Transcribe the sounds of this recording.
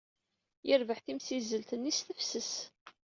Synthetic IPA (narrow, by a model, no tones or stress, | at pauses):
jəɾvəħθimsizəlt̪ənːisθəfsəs